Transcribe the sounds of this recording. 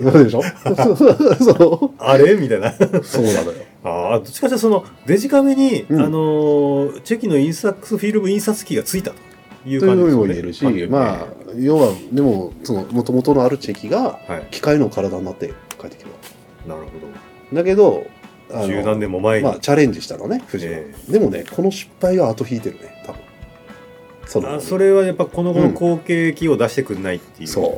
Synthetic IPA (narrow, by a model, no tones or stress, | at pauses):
nand̪e̞ɕo̞ | soaɾemʲit̪anaso̞ːd̪a̰nojo | ad̪ot͡ɕi̥kat͡ɕiasono̞d̪e̞ʑikameɲ̟iɯ̟̃ano | t͡ɕe̞kʲino̞ĩɰ̃sakːɯ̥sɨɸʲiɾɯ̟mɯ̟ĩɰ̃sat͡sɨ̥kʲiɡat͡sɨit̪at̪o̥ | jɯːk̪ojɯɸɯ̟ːɲimo̞ie̞ɾɯ̟ɕimaːjo̞ːβad̪e̞mo̞so̞no̞mo̞t̪o̞mo̞t̪o̞no̞aɾɯ̟t͡ɕe̞kʲiɡahaikʲi̥kaino̞kaɾad̪aɲ̟inat̪ːḛkaet̪ːe̥kʲimas | naɾɯ̟hod̪o | d̪ake̞d̪o̞ | anɯːnãnd̪ẽmːomaemaːt͡ɕaɾẽ̞ɲ̟d͡ʑiɕi̥t̪ano̞ne̞ɸɯ̟ʑḭd̪e̞mo̞ne̞̰kʰo̞no̞ɕi̥pːaiβaːt̪o̞çiːt̪e̞ɾɯ̟ne̞t̪ʰabɯ̟̃ | sonso̞ɾe̞βajapːaiko̞noɡonko̞ːkeːkʲio̞d̪aɕi̥t̪e̞kɯ̟nait̪ːeso̞̰ː